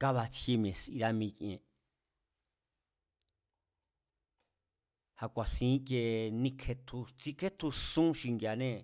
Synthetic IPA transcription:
ka˦βa˧t͡sʰi˧mẽ˨sʔḭ˧ɾa˧mĩ˧kʔẽ˨ | ha˧kʷa˨sĩː˧˦ke˧nĩ˦kʰe˧t̪ʰu˧t͡si˧kʰe˦t̪ʰu˧sũ˦ʃi˧ŋɡja˨nẽ˦˨

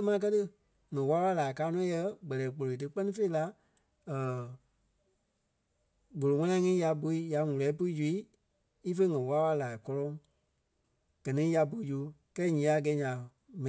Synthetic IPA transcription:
mãː˨˧˦k̬ɜ˦tɨ˦ | ŋɛ̃˨wa˦ɓa˧˦laː˨i˨kaː˨˦nɔ̃ː˨˦jɛ˧˦ɡ͡bɜ˨ɛː˨k͡po˨lo˨i˨t̬ɨ˧˦k͡pɜ˦nĩ˦fe˦i˦la˧ | əː˨ | ɡo˨lo˨ŋã˦nã˧˦ŋĩː˦ja˧bo˧i˦ja˧ŋũ˨lɛː˨˦pu˧˦i˦d͡ʒu˨˧i˦ | i˦fe˦ŋɛ̃˨wa˦wa˧laː˨i˨kɔ˧lɔ̃˦ŋ | ɡ̥ɜ˨nĩ˦ja˧bu˧˦d͡ʒu˨˦kɛː˦ɲĩ˨˦a˨ɡɛː˨˦ɲã˨ | mɛ̃˨

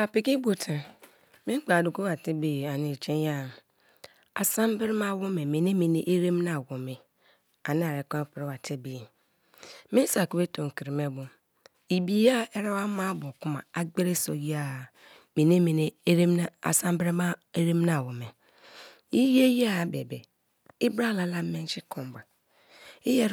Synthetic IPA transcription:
a˨pi˨ki˦bo˨tʰi˨ | mĩ˦k͡pa˨du˨ko˦wa˨ti˦be˨a˨ni˨t͡ʃe˦ja˦˨ | a̰˨sã˦m˦bɪ˦ɾma˦˨wu˦me˨me˨ne˦me˨ne˦ʔe˦ɾe˦m˦na˨wu˨me˨ | a˨n˦a˨ɾe˨kɔ˦pɾi˦wa˨tʰi˦be˨ | mĩ˦n˦sa˨ku˨˦e˦to˨ŋ̩˨ki˨ɾi˨me˦bʊ˨ | i˨bi˨˦a˦ɛ˦ɾa˦wa˦mã˦bʊ˨kʊ˦mã̰˨a˨ɡ͡be˦ɾe˦so̰˨ji˦a˨ | mĩ˨nẽ˦mĩ˨n˦ɾmn˦a̰˨sã˦m˦bɾma˦e˦ɾe˦m˦nã˨wʊ˨mɛ̃˨ | i˦je˦ji˦a˦˨bḛ˨be˨ | ɪ˦bɾa˦la˦la˦mɛ̃˦n˦t͡ʃɪ˦kʰɔ̃˨m˨ba˨ | ɪ˦jɛ˦

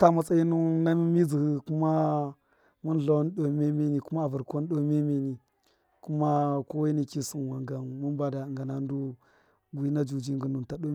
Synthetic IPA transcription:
ta˦ma˨t͡sa˦i˦nu˦na˦mi˦mi˦zi˨hi˦ku˦ma˦ | mu˦n˦ɬa˨˦n˦ɗo˨me˦mi˦ni˨ku˦ma˦a˨vu˨ɾko˦n˦ɗo˦me˦mi˦ni˨ | ku˦ma˦ko˦wa˦ni˦ki˦si˦nwa˨ŋɡa˨mu˦m˦ba˨da˨ŋɡa˨na˨n˦du˦ | ɡʷi˦na˦d͡ʒu˨d͡ʒi˦ŋɡə˨nu˨nta˨ɗo˦

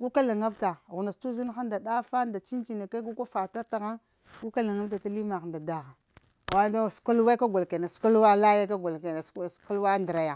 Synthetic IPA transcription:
ɡu˦ka˦la˨ŋa˦bta˨ɣu˨na˨stu˦zu˦n˦xa˦nda˨da˦fa˦nda˨t͡ʃi˦nt͡ʃi˨na˨ka˦ɡu˦ka˦fa˨ta˦ta˨ɣa˦ | ɡu˦ka˦la˨ŋa˦bta˨ta˦li˦ma˨xa˨nda˨da˦xa˨ | wa˦da˦˨sku˦lwa˦ka˦ɡʷa˨lke˨na˨sku˦lwa˦la˦ja˦ka˦ɡʷa˨lke˨na˨˦˨sku˦lwa˦ndɾa˨ja˨

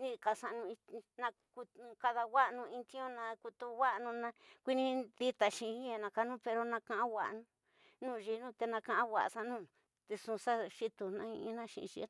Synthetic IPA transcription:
nĩ˦˧ka˧˨sa˧nũ˧i˧nã˧ku˧ka˧ða˧wa˦ʔnũ˧ĩ˧t̪ĩ˦õ˦nã˧ku˧t̪u˧wʷa˦ʔnũ˧nã˧kʷi˦nĩ˧d̪i˦t̪a˨ʃĩ˧i˦a˧nã˧ka˧nũ˦pe˧ɾo˧nã˧kã˧ʔã˦wʷa̰˨ʔnũ˧ | nũː˦˨˧ʒi˧nũ˦t̪e˧nã˧kã˧ʔã˦wʷa̰˨ʔsa˧nũ˦˧ | t̪e˧sũ˧sa˦ʃi˦t̪u˧nã˦ĩ˧ĩ˦nã˦ʃḭ̃˧ʃḭ˧˦

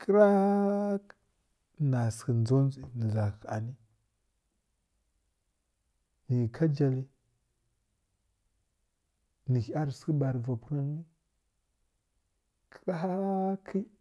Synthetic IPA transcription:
kə˦ɾa˦ | na˨sə˨nd͡zo˦n˦zi˨ni˨za˨ka̰˨ni˦ | ni˨kʰa˦d͡ʒa˨li˦ | ni˨hi˦a˦ɾski˦ba˨ɾva˨pu˦ɾa˦ni˦ | kʰə̥˦ɾa˦a˦kʰi˦

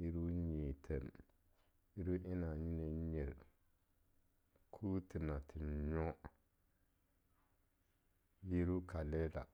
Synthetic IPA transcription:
ji˦ɾu˦ɲi˨tʰe˨m | ji˦ɾu˦ʔɪ˦na˨ɲi˦ne˦ɲe˨ɾ | kʰuː˦tɪ˨na˨tʰɪ˨n˨ɲɔ˦ | ji˦ɾu˦ka˨lɛ˦la̰˨

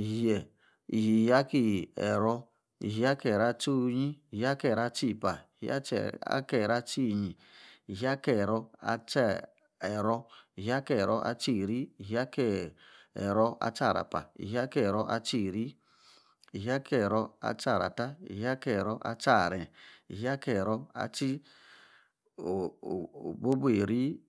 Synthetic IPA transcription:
i˨ɦe˨ | i˨ɦi˨ja˦ki˦˨ɛ̰˨ɾɔ˦ | ḭ˨ɦi˦a˦ke˨ɾa˦t͡ʃu˦ɲi˦i˨ha˦ke˦˨ɾa˦t͡ʃi˦˨pa˨i˨hḭ˦a̰˦˨a̰˦ke˦˨ɾa˦t͡ʃi˦˨ɲi˨ | i˨ɦi˦a˦ke˦˨ɾɔ˧a̰˦t͡ʃɛ˦ | ɛ˨ɾɔ˦i˨ɦi˨˦a˦ke˦˨ɾo˦ʔa̰˦t͡ʃi˦˨ɾi˦i˨ɦi˨˦a˦ke˦˨ḛ˨ɾɔ˦a̰˦t͡ʃa˦˨ɾa̰˨pa̰˨ḭ˨ɦi˦a˦kɛ˦˨ɾɔ˦ʔa̰˦t͡ʃi˦˨ɾi˦ | i˨ɦi˦a˦kɛ˦˨ɾɔ˦a̰˦t͡ʃa˦˨ɾa̰˨ta˦ḭ˨ɦi˦a˦kɛ˦˨ɾɔ˦ʔa̰˦t͡ʃa˦˨ɾɛ˨i˨ɦi˦a˦kɛ˦˨ɾɔ˦a̰˦t͡ʃi˦ | o˨o̰˨bo˦bu˦e˨ɾi˦

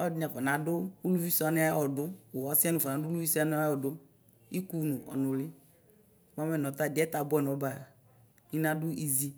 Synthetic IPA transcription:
ɔ˦dnɛ˨fɔ˨nã˨˦dʊ˦u˦lu˦vi˦sɔ˨a˦n˦a˦ɔ˨dʊ˦wɔ˨˦si˦a˦nʊ̃˨vɔ˨ã˨˦dʊ˦lu˦vi˦sɔ˦a˦n˦a˦ɔ˨dʊ˦ | i˦ku˦nũ˨ʔɔ̰˨nʊ̃˨lɪ˦ | m˦a˦mɛ˦nɔ̃˨˦t̪a˦˨dɪ˨˦ɛ˦t̪a˨bɔ˦ɛ˨n˨˦ba˨ | ɲĩ˦nã˦dʊ˦ʔi˨zi˦

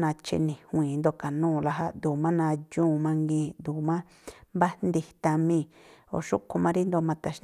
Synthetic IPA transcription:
nã˧t͡ʃḭ˧nĩ˨hũ˧ĩː˨˦nd̪o˧ka˨nũː˦˨la˧ɦa˧d̪u˨mã˦nã˧d͡ʒũː˦˨mã˧ŋɡĩː˧d̪u˨mã˦ | mba˦nd̪i˧t̪a˧mĩ˦˧˨o̰˨ʃṵ˦ku˧mã˦˧ɾi˦nd̪o˧mã˧t̪a˧ʃ

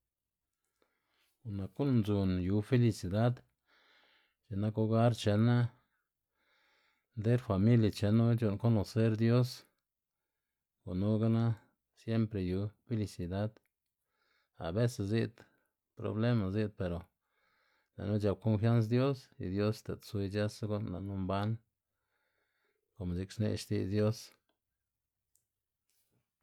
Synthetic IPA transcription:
u˨na˨ku˦n˧nzu˨nju˨˧fe˦li˧si˨d̪a˦d̪ | t͡ʃe˨na˦ko˦ɡa˦ɾt͡ʃe˧na˦ | nd̪e˦ɾfa˨mi˦lja˨t͡ʃe˧nu˦t͡ʃu˧˨nko˦no˨se˦ɾd̪jo˦s | ɡo˨nu˦ɡa˦na˦ | sje˦mpɾe˨ju˧˦fe˦li˧si˨d̪a˦d̪ | a̰˨be˦se˨zi˦˧d̪ | pɾo̰˨ble˦ma˨zi˦d̪̚pe˨ɾo˨ | la̰˨nu˦d͡ʒa˧b̚ko˦nfja˦ns̬d̪jo˦sḭ˨d̪jo˦st̪e˨t̪swe˧d͡ʒa˦sɡo˦nla̰˨nu˦mba˦n | ko˨mzi˧ksnḛ˧ʃt̪ḭ˧zd̪jo˦s

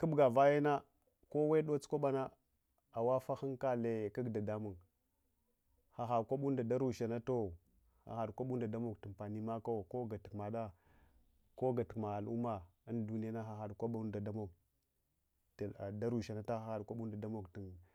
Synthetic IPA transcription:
kə˦bɡa˨va˦ja˦na˦ | ko˦we˦ɗo˦t͡sko˦ɓa˦na˦ | a˨wa˦fa˦xi˦ŋka˦le˨ka˦ɡda˨da˦mu˨ŋ | xa˨xa˨ɾkʷa˦ɓu˦nda˨da˦ɾu˨ʃa˨na˦to˦ | xa̰˨xa˨ɾkʷa˦ɓu˦n˦da˨da˦mo˨kti˨npa˨ni˦ma˦ka˦˨ko˦ɡa˨ti˨kma˨ɗa˦ | ko˦ɡa˨ti̥˨kma˨a˨lu˦ma˨a˦ndu˦ni˦ja˦na˦xa˨xa˨dkʷa˦ɓu˦nda˨da˦mo˨k | da˦ɾu˨ʃa˨na˦ta˦xa˨xa˨dkʷa˦ɓu˦nda˨da˦mo˨kti˨n

